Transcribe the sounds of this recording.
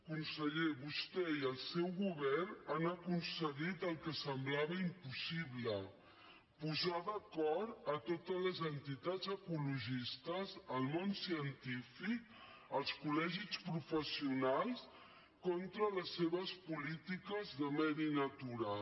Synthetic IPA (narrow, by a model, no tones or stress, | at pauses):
kunsəʎeβust̪ɛiəlˠsɛwɣuβɛrnanəkunsəɣit̪əlˠkəsəmblaβəimpusiβlə | puzaðəkɔɾət̪ot̪əzləzənt̪it̪azəkuluʒist̪əzəlˠmonsiənt̪ifik̚ | əlˠskulɛʒispɾufəsiunalˠs | kɔnt̪ɾələsːeβəspulit̪ikəzðəmɛɾinət̪uɾa